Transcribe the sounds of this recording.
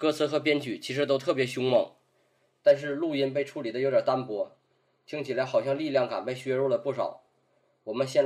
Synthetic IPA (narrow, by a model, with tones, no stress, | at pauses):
kɤ˥t͡s̩ʰ˧˥xɤ˧˥p̬jɛ˥nt͡ɕy˨˩t͡ɕʰi˧˥ʂ̬ɻ̩˧˥t̪̬o˥ʊt̪ʰɤ˥˩pjɛ˧˥ɕʊ˥ŋmɤ˥˩ŋ | t̪a˥˧nʂ̬ɻ̩˥˧lu˥˩˧i˥npe˥˧ɪʈ͡ʂʰu˧˥˩li˨˩d̪ə˦jo˧˥ʊtjt̪a˥npwɔ˥ | t͡ɕʰi˥ŋt͡ɕʰi˨˩la˧˥ɪxɑ˨˩ʊɕjɑ˥˧ŋli˥˧ljɑ˥˩ŋka˨˩npe˥˩ɪɕɥɛ˥ɻɔ˥˩lə˩pu˥˩ʂɑ˨˩˦ʊ | wɔ˨˩mə˦nɕjɛ˥˧n